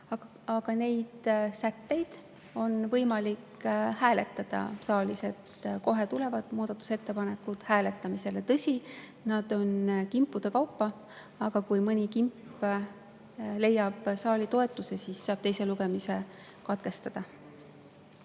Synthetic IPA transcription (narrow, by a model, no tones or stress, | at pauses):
ɑɡ̥ɑne̞jd̪̥sæt̪ːe̞jd̪̥ | o̞nvɤjmɑlikhæːle̞t̪ːˑɑd̪̥ɑ̰sɑːlise̞t̪ko̞ɦe̞t̪ule̞vɑd̪̥muːd̪̥ɑt̪ːˑu̥se̞t̪ːe̞pɑne̞kːˑud̪̥hæːle̞t̪ːˑɑmise̞le̞t̪ɤsʲi | nɑd̪̥o̞nkimpːˑud̪̥ekɑwpːɑ | ɑɡ̥ɑkujmɤnʲikimpː | le̞jːɑb̥sɑːlit̪o̞e̞t̪ːˑuse̞sisːɑːb̥t̪e̞jse̞luɡe̞mise̞ | kɑt̪ke̞st̪ɑd̪̥ɑ